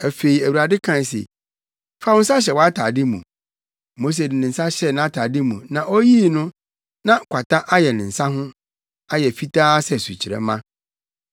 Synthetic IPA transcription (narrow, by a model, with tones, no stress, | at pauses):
æ˨fe˨i˨æ˨wu˨ɾa˨dɪ˦kʰã˦˨n˨sḛ˨ | fa˦wʊ̃˦n̩˦s̬a˦ɕ̬ɛ˨wɔ˦a˦tʰa˨dɪ˦mṵ̃˨ | mo˦s̬e˨dɪ˨nɪ̃˨n̩˨sa˦ɕɛ˦˨nã˨˦a˦tʰa˨dɪ˦mũ˨nã˨ʔɔ˦jiː˦nʊ̃˦ | nã˦˨kʷʰa˨ta˦ʔa˦jɛ˨nɪ̃˨n̩˨sa˦ɦʊ̃˦ | a˦jɛ˨fi˦tʰaː˦sɛ˦˨su˨t͡ɕʰi˨ɾɛ̰˦mã˦